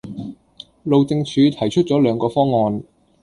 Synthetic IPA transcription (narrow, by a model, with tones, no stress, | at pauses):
lo˨˧wt͡sɪ˧ŋt͡ʃʰyː˨˧˥t̪ʰɐ˨˩jt͡ʃʰɵ˥t̚t͡sɔː˨˥lœː˨˧ŋkɔː˧fɔː˥ŋːɔː˨˧n